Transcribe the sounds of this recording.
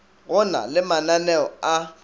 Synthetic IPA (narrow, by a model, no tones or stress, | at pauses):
ɣʊna̰lɪmananɛɔa